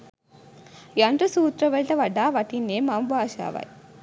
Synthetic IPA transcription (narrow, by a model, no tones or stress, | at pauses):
jɐɳʈɾusuːt̪ɾɐʋɐlʈ̪ɐʋɐɖːaːʋɐʈinːeːmambaːʃa̰ːʋa̰j